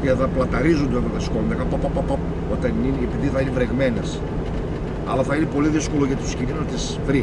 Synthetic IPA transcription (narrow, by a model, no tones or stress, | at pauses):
ɐðɐplɐt̪ɐɾizund̪oeɣoðɐskond̪ɐkɐpɐpɐpɐpɐp | o̞t̪ɐninepiðiθɐinevɾeɣmenes | ɐ̰lɐθɐinepo̞liðisko̞lo̞ʝɐt̪it̪u̥sciɾinut̪is | vɾi